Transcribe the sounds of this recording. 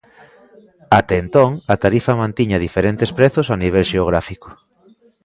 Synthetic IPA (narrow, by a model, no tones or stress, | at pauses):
at̪ɛːnt̪oŋɐt̪aɾifɐmãnt̪iɲɐðifeɾent̪espɾeθʊsaniβ̞ɛlʃeoɣ̞ɾafiko̥